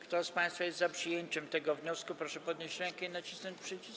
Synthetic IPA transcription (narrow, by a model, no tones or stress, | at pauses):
kt̪ɔspãj̃st̪fajɛst̪zapʂɨjeɲt͡ɕɛmt̪ɛɡɔvɲɔskupɾɔʂɛpɔd̪ɲeɕt͡ɕɾɛ̃ŋkɛinat͡ɕisnɔɲt͡ɕpʂɛt͡ɕi